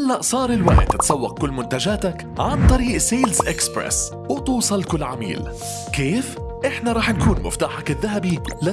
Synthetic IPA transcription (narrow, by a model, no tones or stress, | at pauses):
ʔalːaʔsˤɑːɾˤɪlwa̰ːjɪ̰d̪t̪ːɪt̪sˤɑwːɑq̚kʊlːmʊnt̪ad͡ʒaːt̪ak | ʕant̪ˤɑɾiːʔseːlzʔɪkspɾḛs | wɪt̪uːsˤɑlkʊlːʕa̰mḭːl | keːf | ʔɪħnaɾˤɑːħnkuːnmʊ̰ft̪aːħakɪðːaɦabilɪ